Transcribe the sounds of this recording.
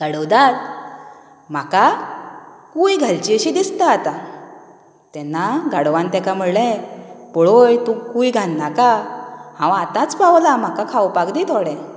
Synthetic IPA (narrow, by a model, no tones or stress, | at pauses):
ɡ̥aɽəwd̪at̪̚ | m̤aka | kujɡʱalt͡ɕiəɕid̪ist̪aːt̪a | t̪ɛnːaɡaɽʋãnt̪ɛkam̤əɽɭɛ̃pɔɭojt̪ũkujɡʱãnːakahãwat̪ãt͡spawlam̤akakʰawpakd̪it̪ʰoɽɛ̃